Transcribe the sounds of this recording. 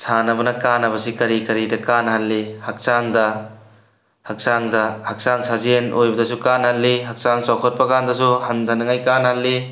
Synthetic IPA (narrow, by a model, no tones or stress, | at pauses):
sʰanɐbɐnɐkanɐbɐsikɐɾikɐɾidɐkanhalːihak̚saŋdɐ | hak̚saŋdɐhak̚saŋsʰazenʔojbɐdɐsukanhalːiɦɐk̚saŋsawkʰɔt̚pɐkandɐsuhɐnd̪ʱɐnɐŋajkanhalːi